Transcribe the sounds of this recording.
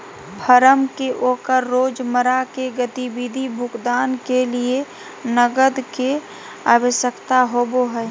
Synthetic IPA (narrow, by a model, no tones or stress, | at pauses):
pʰəɾəmkeʔoːkəɾːoːd͡ʒməɾakeɡət̪ibid̪ʱibʱʊkd̪aːnkelie | nəɡəd̪ke | aːwəʃjəkt̪aɦoːboɦɛː